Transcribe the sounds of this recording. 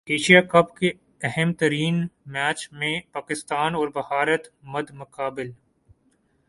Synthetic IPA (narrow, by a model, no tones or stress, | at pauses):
eːʃijakɐbke | ɛɦɛmt̪ɐɾiːnmɛːt͡ʃmẽpaːkɪst̪aːnɔːɾbɐhaːɾət̪mɐd̪mʊkaːbɪl